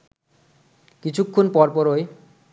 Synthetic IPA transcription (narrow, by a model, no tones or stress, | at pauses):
kit͡ɕʰukʰːonpɔɾpɔɾoj